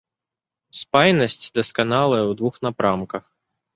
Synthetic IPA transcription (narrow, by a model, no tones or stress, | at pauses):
spajnɐsʲt͡sʲd̪ɐskanalˠɐjɛwd̪vuxnapɾamkɐx